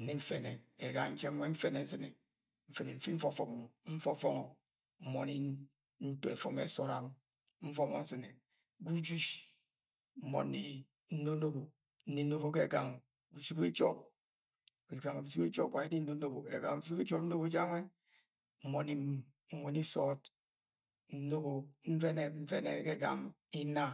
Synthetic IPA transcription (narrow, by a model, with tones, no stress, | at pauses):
n̩˨ni˦ɱ̩˦fe˨ne˨e˨ɡa˨ŋ˨n̩˦t͡ʃe˦wʷe˦ɱ̩˦fe˦ne˨n̩˦se˦ne˨ | ɱ̩˦fe˨ne˨m̩˦fi˦ɱ̩˦fo˦fɔ˨kmo˨m̩˦fo˦fɔ˦ŋo˨ | m̩˦mo˨ni˦ | n̩˦to˦e˨fo˨mḛ˨˦so˦ɾa˦m˦ | m̩˦fo˦mo˦n̩˦sɨ˨ne˨ | ɡu˦d͡ʒu˦d͡ʒ | m̩˦mo̰˨ni˦ | n̩˦no˦no˦bo˨ | n̩˦ni˦no˦βo˦ke˦˨ɡa˨ŋ | bu˨su˦be˦d͡ʒɔ˦p̚ | u˨ɡa˨ŋe˨bu˨su˦be˦d͡ʒo̰˦wʷa˨i˦ni˦no˦no˦bo˨e˨ɡa̰˨ŋ˨u˨su˦be˦d͡ʒo˦pn̩˦no˦bo˦d͡ʒa˦ŋe˦ | m̩˦˨mo˨ni˦ | wo˨ni˦sɔ˦t | n̩˦no˦bo˨ɱ̩˦ve˦ne˦˨m̩˦ve˦ne˨˦ke˦˨ɡa̰˨ŋ | i˦na˦